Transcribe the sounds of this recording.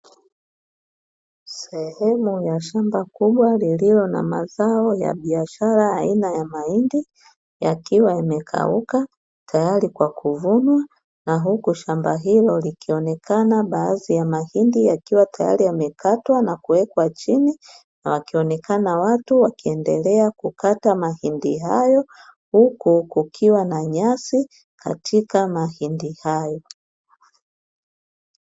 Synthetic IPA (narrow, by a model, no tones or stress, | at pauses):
sɛhɛmujaʃambakuɓwalililɔna̰ma̰zaɔja̰ɓiaʃaɾaːinajamahindi | jakiwaimɛkʰa̰uka | tʰajaɾikwakuvunwa | naɦukuʃambaɦilɔlikʰiɔnɛkʰanaɓaːzijamahindijakiwatʰaja̰ɾiamɛkatwanakuwɛkwat͡ʃini | nawakiɔnɛkanawatuwakiɛndɛlɛakukatamahindiɦajɔ | hukukukʰiwanaɲasi | kʰa̰tʰikamahindihajɔ